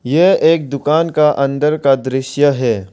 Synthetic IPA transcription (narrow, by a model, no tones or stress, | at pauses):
jeeːk̚d̪ʊkaːnkaʔɐ̃nd̪əɾkad̪ɾɪʃjəɦɛː